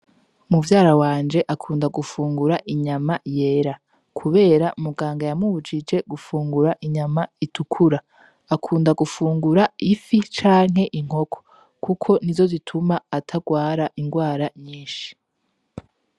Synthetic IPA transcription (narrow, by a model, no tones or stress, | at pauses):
muvjaːɾawaːnd͡ʒe̞ʔakʰuːndaɡufuːŋɡuɾaʔiɲamaje̞ːɾa | kʰuβe̞ːɾaʔumuɡaːŋɡajamuβud͡ʒid͡ʒe̞ɡufuːŋɡuɾaʔiɲamaitʰukʰuɾaː | kʰuːndaɡufuːŋɡuɾaifit͡ʃaːŋ̥ɦe̞ʔiŋ̥ho̞kʰo̥ | kukʰo̞nizo̞zitʰumaːtʰaɡwaːɾaʔiŋɡwaːɾaɲiːnʃi̥